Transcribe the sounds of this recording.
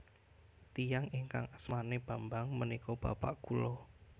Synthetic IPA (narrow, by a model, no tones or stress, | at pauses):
t̪ijaŋiŋka̰ŋasmaneb̥ambaŋmənikɔb̥a̰paʔɡ̥ulɔ